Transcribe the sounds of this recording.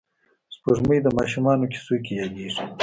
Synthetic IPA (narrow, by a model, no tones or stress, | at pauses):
spuʐməjd̪əmɑːʃumɑːnoki̥sukejɑɡiʂi